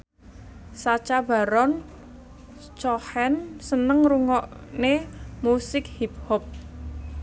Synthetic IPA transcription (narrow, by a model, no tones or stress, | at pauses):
sat͡ʃab̥a̤ɾɔn | t͡ʃɔhɛnsənəŋɾuŋɔʔnemusɪk̚hip̚hɔp̚